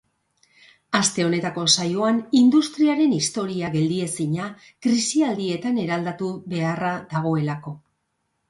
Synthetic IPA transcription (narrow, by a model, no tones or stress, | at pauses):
ast̪e̞o̞ne̞t̪ako̞sajo̞anind̪ust̪ɾiaɾe̞nist̪o̞ɾiaɣe̞ld̪ie̞siɲa | kɾisiald̪ie̞t̪ane̞ɾald̪at̪uβe̞araðaɣ̞o̞e̞lako̞